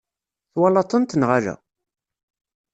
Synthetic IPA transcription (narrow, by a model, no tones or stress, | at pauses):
θwɑlɑt̪ˤənt̪nʁalæ̰